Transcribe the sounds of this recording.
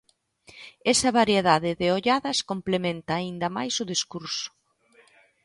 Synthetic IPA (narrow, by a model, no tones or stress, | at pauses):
ɛsɐβaɾjeðaðɪðɪoʎaðɐskomplemẽnt̪aːind̪ɐma̰jsʊðiskuɾsʊ̥